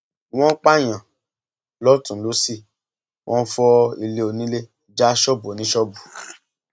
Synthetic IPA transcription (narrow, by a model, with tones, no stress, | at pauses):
w̃ɔ̃˦k͡pa˦˨j̃ã˨ | lɔ˦tũ˨˦lo˨˦si˦˨ | wʔɔ̃˦fɔ˧i˨le˨˦o˧nĩ˦le˦ | d͡ʒa˦ʃɔ˦bu˨˦nĩ˦ʃɔ˦bu˨